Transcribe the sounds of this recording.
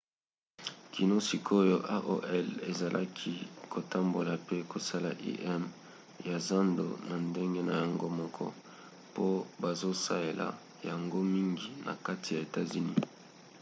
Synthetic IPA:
ki˨no˦si˨kʰo˦jo˦ʔa˦ʔo˨ʔɛ˦le˨za˨lʔa̰˦kʰi˦kʰo˨ta˦mbo˨la˨pe˦ko˨sa˦la˨ʔḭ˦ʔɛ˦m | ja˨za˦ndo̰˨na˨nde˦ŋɡe˦na˨ja˨ŋɡo˦mɔ˦kʰɔ̰˦ | po˦ba˨zo˦sa˦le˨la̰˨ | ja˨ŋɡo˦mi˦ŋɡi˨na̰˨ka˦ti˨ja˨e˨ta˦zy˨ni˦

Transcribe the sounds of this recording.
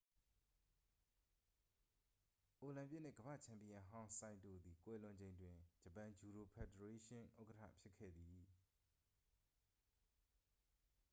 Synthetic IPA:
ʔo˨lã˨mpjɪ˦n̥ɪ̰˦˨ɡəbä̰˦˨t͡ɕʰã˨mpi˨ã˨ɦã˦ʊ̃sã˨ɪ̃ndo̰˦˨d̪i˨kwɛ˦˨lʊ̃˨ɲd͡ʑẽ˨ɪ̃ndwɪ̃˨d͡ʑə˨pã˨d͡ʑu˨ɾo˨pʰɛ˨də˨ɹe˦ʃɪ̃˦ʔo˦ʊkə˦tʰä̰˦˨pʰjɪ˦kʰːɛ̰˦˨d̪i˨

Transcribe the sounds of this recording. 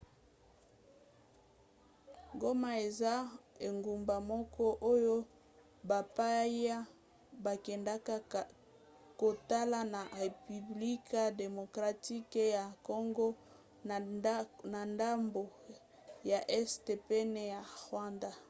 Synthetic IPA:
ŋɡo˦ma˨e˨za˦e˨ŋɡu˨mba˨mɔ˦kɔ˦ʔo˦jo˦ | ba˨pa˦ja˦ | ba˨kɛ˨nda˦ka˦ | ko˨ta˦la˦na˨ʁe˨py˨bli˦ka˦de˨mo˨kʁa˨ti˦ke˦ja˨ko˦ŋɡo˦ | na˨nda˦mbo˨ | ja˨ʔɛ˦ste˨pɛ˦ne˦ja˨ʁwa˦nda˦

